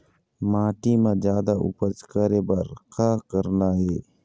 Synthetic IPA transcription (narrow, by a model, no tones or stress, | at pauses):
maːʈimãd͡ʒjaːd̪aʔṵpət͡ʃkəɾebəɾkʰaːkəɾnaɦe